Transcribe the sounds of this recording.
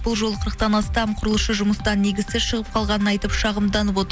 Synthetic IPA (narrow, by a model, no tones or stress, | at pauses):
b̥ʊlˠʒo̞lˠəqʰəɾəq̚t̪ɑnɑst̪ɑmqʰʊɾəlˠəʃəʒʊməst̪ɑnːe̞ɡʲɪzseɾʃəʁəp̚qʰɑlˠʁɑnənɑjt̪əpʃɑʁəmd̪ɑnəp̬o̞t̪əɾ